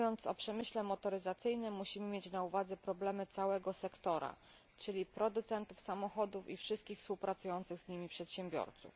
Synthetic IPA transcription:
jɔnt̪sɔpʂɛmɘɕlɛmɔt̪ɔɾɘzat̪sɘjnɘmːuɕimɘmʲjet͡ɕnauvad̪zɛpɾɔblɛmɘt̪sawɛɡɔsɛkt̪ɔɾa̰ | t͡ʂɘlʲipɾɔd̪ut̪sɛnt̪ufsamɔxɔd̪ufḭfʂɘst̪kʲixfspuwpɾat̪sujɔnt̪sɘɣzɲimʲipʂɛt̪ɕɛmbʲjɔ̰ɾt̪sṵf

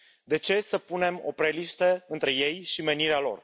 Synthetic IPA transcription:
d̪e̞t͡ʃe̞səpune̞mo̞̰pɾe̞liʃt̪əɨnt̪ɾe̞je̞jʃime̞niɾealo̞̰r

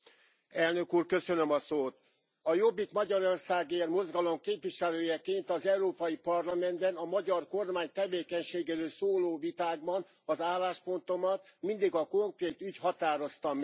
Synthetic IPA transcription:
ɛlnø̞kuːrkø̞sø̞nømɒsoːt̪̚ | ɒjo̞bːikmɒɟɒɾo̞rsaːɡermo̞zɡɒlo̞mkeːpʋiʃɛløːjɛkeːnt̪ɒzɛuɾoːpɒjipɒrlɒmɛnd̪bɛnɒmɒɟɒrko̞rmaːɲt̪ɛveːkɛɲʃeːɡeːɾøːlsoːloːvit̪aːɡ̚bɒn | ɒzaːlːaːʃpo̞nt̪o̞mɒt̪mind̪iɡɒko̞ŋkreːt̪ychɒt̪aːɾo̞st̪ɒmɛ

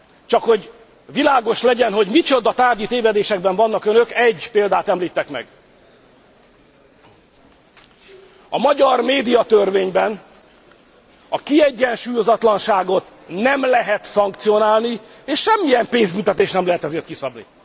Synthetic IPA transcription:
t͡ʃɒkho̞ɟ | vilaːɡo̞ʃlɛɟɛnɦo̞ɟmit͡ʃo̞d̪ɒt̪aːrdit̪eːvɛd̪eːʃɛɡbɛɱvɒnːɒkønø̞kɛɟːpeːld̪aːt̪ɛmliːt̪ːɛkmɛ̰ɡ | ɒmɒɟɒrmeːd̪ijɒt̪ørveːɲbɛn | ɒkiɛɟːɛnʃuːjo̞zɒt̪lɒnʃaːɡo̞t̪ | nɛmlɛɦɛt̪sɒŋkt̪sijo̞naːlni | eːʃʃɛmːijɛmpeːnzmynt̪ɛt̪eːʃnɛmlɛɦɛt̪ɛzeːrt̪kisɒbnḭ

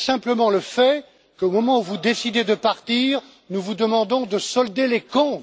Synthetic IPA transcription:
sɛ̃pləmɑ̃ləfɛ | kəomɔmɑ̃uvud̪esid̪ed̪əpaʁt̪iːʁ | nuvud̪əmɑ̃d̪ɔ̃d̪əsɔld̪elekɔ̃

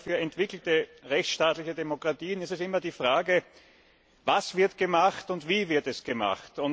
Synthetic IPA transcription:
fyːɐɛntv̥ɪkl̩təʁɛçt͡sʃtaːtlɪçədemokʁ̥atiːənɪstɛsɪmɐdiːfʁ̥aːɡə | vasv̥ɪɐtɡ̥əmaxtʊntv̥iːvɪɐtɛsɡ̥əma̰xtʊn

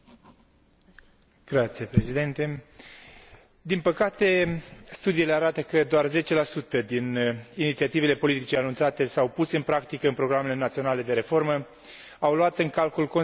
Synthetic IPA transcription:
ɡ̥ɾat̪sijepɾe̞zid̪ent̪e̞ | d̪inpəkat̪e̞st̪ud̪iːle̞aɾat̪əkəd̪oarze̞t͡ʃe̞lasut̪əd̪ininit̪siat̪ive̞le̞po̞lit̪it͡ʃeanunt̪sat̪e̞sawpuseɨnpɾakt̪ikəɨnpɾo̞ɡɾame̞le̞nat̪sio̞nale̞d̪e̞ɾe̞fo̞rmə | awluat̪ɨŋkalkulko̞

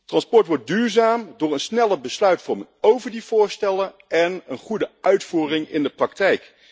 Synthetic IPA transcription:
trɑnspɔɹtʋɔɹt̚dyːɹzaːmdʊːɹənsnɛləbəslœɥtfɔɹmənowvəɹdiv̥ʊːɹstɛlən | ʔɛnənχudəœɥtfuːrɪŋɪ̰ndəprɑk̚tɛjk

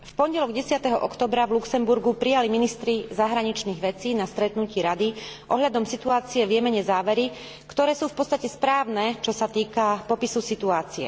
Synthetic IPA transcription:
fpɔɲɟɛlɔɡɟɛsɪat̪ɛɦɔʔɔkt̪ɔːbɾavluksɛmbuɾɡupɾijaliminist̪ɾizaɦɾaɲit͡ʃniːɣʋɛt͡siːnast̪ɾɛt̪nuciːɾad̪iʔɔɦʎad̪ɔmsit̪uaːt͡siɛvjɛmɛɲɛzaːʋɛɾi | kt̪ɔɾɛːsuːfpɔt̪t͡st̪acɛspɾaːʋnɛt͡ʃɔsat̪iːkapɔpisusit̪uaːt͡siɛ̰

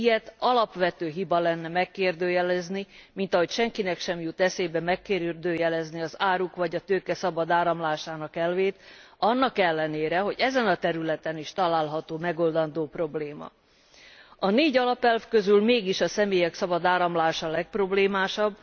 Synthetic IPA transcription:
ijɛt̪ɒlɒpʋɛt̪øːɦibɒlɛnːɛmɛkːeːrd̪øːjɛlɛznimin̪t̪ɒɦo̞cʃɛŋkinɛkʃɛmjut̪ɛseːbɛmɛkːeːɾyrd̪øːjɛlɛzniɒzaːɾukʋɒɟɒt̪øːkɛsɒbɒd̪aːɾɒmlaːʃaːnɒkɛlveːt̪ɒnːɒkɛlːɛneːɾɛɦo̞ɟɛzɛnɒt̪ɛɾylɛt̪ɛniʃt̪ɒlaːlɦɒt̪oːmɛɡo̞ld̪ɒnd̪oːpro̞bleːmɒ̰ | ɒneːɟɒlɒpɛlfkø̞zylmeːɡiʃɒsɛmeːjɛksɒbɒd̪aːɾɒmlaːʃɒlɛk̚pro̞bleːmaːʃɒbː

